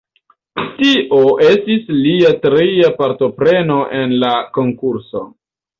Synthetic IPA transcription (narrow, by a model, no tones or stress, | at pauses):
tiʔoʔe̞stisliatɾiapaɾto̞pɾe̞no̞ʔe̞nlako̞ŋkuɾso̞̰